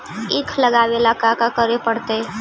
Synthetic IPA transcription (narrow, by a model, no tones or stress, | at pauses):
ikʰləɡaʋelakakakəɾepəɽt̪e